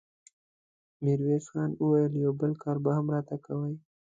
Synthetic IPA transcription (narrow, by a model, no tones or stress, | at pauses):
miɾwesxɑnəwajəljawbəlkɑɾbahamɾɑt̪akawəj